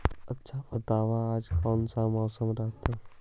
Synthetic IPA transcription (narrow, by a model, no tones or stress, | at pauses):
ətːʃʰabət̪aːʋaaːd͡ʒkɔːnsamɔːsəmɾaɦt̪e